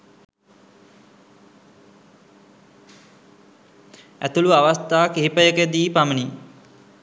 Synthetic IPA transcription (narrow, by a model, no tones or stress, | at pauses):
æt̪uluaʋast̪aːkiɦipəjəkəd̪iːpaməni